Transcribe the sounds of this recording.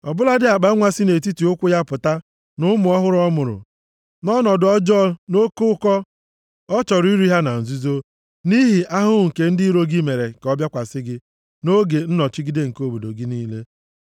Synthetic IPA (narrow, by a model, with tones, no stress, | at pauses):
ɔ˨bʊ˦la˦dɪ˦a˨k͡pa˨˦ŋʷa˦sɪ˦ne˨t̬i˦ti˨ʊ˦kʷʊ˦ja˦pʊ˨ta˦ | nʊ˦mʊ˨ɔ˦ɦʊ˦ɾɔ˦mʊ˨ɾʊ̰˨ | nɔ˦nɔ˨dʊ˨ɔ˦d͡ʒɔ˦no˦kʊ˦ʊ˦kɔ˦ | ɔ˦t͡ʃɔ˨ɾʊ˦i˦ɾi˦ɦa˦na˨n̩˨zu˦zo˦ | ni˦ɦi˨ʔa˦ɦʊ˦˨ŋ̩˨ke˨n̩˦dɪ˦ɾo˦ɡi˦me˨ɾe˨kɔ˦bja˦kʷa˨sɪ˦ɡɪ˦ | no˦ɡe˨n̩˦nɔ˨t͡ʃi˦ɡi˦de˦ŋ̩˨ko˦bo˨do˨ɡɪ˦niː˦le˦